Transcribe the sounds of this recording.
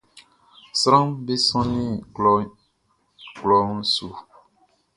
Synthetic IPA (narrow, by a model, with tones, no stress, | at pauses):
sɾã˦mbe˦sɔ̃˦nĩ˦klɔ˦ | klɔ˨˦n̩˦su˨